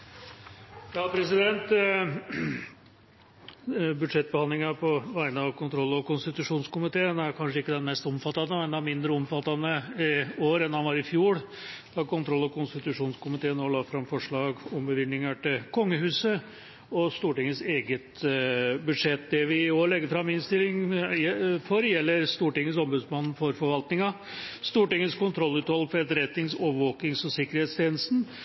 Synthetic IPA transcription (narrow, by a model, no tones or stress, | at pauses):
jɑːpʰɾɛsɪd̪ɛnt̪ | bʉd̪ʂɛt̪̚ːbəɑnd̪lɪŋɑpʰɔʋæɪnəɑʋkʰʊnt̪ʰɾɔlːɔkʊnst̪ɪt̪ʉʂuːnskʊmɪt̪ʰeːənæɾkʰɑnʂəɪkːəd̪ɛnmɛst̪ɔmfɑt̪ːɑnəmɛnd̪ɛæɾmɪnd̪ɾəɔmfɑt̪ːɑnəɪoːɾɛnːhɑnʋɑɾɪfjuːɽ | d̪̥ɑkʊnt̪ʰɾɔlːɔkʊnst̪ɪt̪ʉʂuːnskʊmɪt̪ʰeːənɔɭɑːfɾɑmfɔʂɭɑːɡɔmbəʋɪnːɪŋɑʈɪlkʰɔŋːəɦʉːsə | ɔst̪uːʈɪŋːəseːɡət̪ | bʉd̪ʂɛt̪ːd̪ɛʋɪoːlɛɡːəɾfɾɑmːɪnst̪ɪlːɪŋ | fɔɾjɛlːəɾst̪uːʈɪŋːənsɔmbʉd̪smɑnn̩fɔɾfɔɾʋɑlt̪nɪŋɑ | st̪uːʈɪŋːənskʊnt̪ʰɾɔlːʉːt̪hɔlːfɔɛt̪əɾɛt̪ːɪŋsoːʋəɾʋoːkɪŋsɔsɪkːəɾhɛeːt̪st̪ʰeːnləst̪n̩